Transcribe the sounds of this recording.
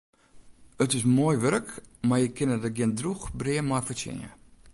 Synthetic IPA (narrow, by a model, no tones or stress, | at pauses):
ətɪsmoəjʋørəkmarjəkʰɪnətəɡɪəndruxbriəmɔjfətɪ̰nə̰